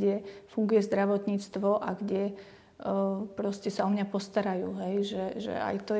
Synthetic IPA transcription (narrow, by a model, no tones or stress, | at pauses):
ɛfuŋɡujɛzd̪ɾaʋɔt̪ɲiːt͡st̪ʋɔʔaɡɟɛ | pɾɔscɛsaɔmɲapɔst̪aɾajuːɦɛjʒɛʒɛ̰a̰jt̪ɔ